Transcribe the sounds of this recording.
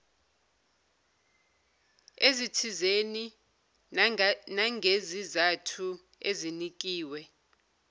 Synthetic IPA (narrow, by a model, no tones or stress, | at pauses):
ezitʰizeni | naŋɡʱezizatʰu | ezinik̬ʼiːwɛ